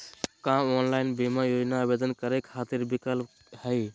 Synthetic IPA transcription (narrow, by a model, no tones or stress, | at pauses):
kãonlaɪnbimajod͡ʒnaːbed̪ənkəɾekʰːat̪iɾbikəlp | həɪ